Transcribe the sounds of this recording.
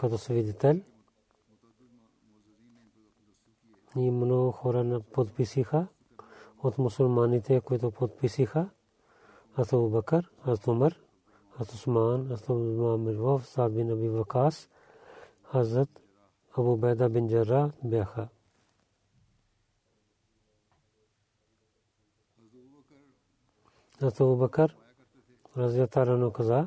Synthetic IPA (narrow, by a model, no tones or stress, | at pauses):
kɐt̪osʋid̪it̪ɐl | iːmɐnoːxoːɾanɐpot̪pisixʰa | ʊt̪ʰmʊsʊlmaːnit̪ʰekojt̪̬opot̪pisixʰa | hɐzt̪ɐbubɐkɐɾhɐzɾət̪ʰʊmɐɾ | hɐzt̪ʊsmaːnɐzət̪ʰɐbmaːmɐlʋɐfsaːbinɐbiʋɐkaːs | hɐzɾɐt̪ | ɐbuːbɐːd̪aːbɪnʲd͡ʒɐɾaːbjaːxʰa | ɐzt̪ɐbuːbɐkɐɾ | ɾɐzjaːt̪aːɾanoːkɐzaː